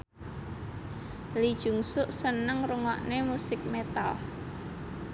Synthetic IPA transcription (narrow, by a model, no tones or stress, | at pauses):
lid̥ʒ̥ṳŋsʊʔsənəŋruŋɔʔnemusɪk̚met̪al